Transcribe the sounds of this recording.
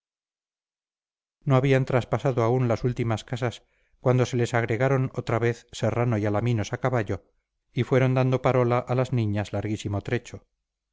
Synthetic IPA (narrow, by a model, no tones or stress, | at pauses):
noaβiant̪ɾaspasaðoaunlasult̪imaskasas | kwand̪o̞se̞le̞saɣɾe̞ɣaɾo̞not̪ɾaβeθse̞ranoialamino̞sakaβaʎo̞ | ifwe̞ɾo̞nd̪and̪o̞paɾo̞laʔalazniɲazlaɾɣisimot̪ɾe̞t͡ʃo̞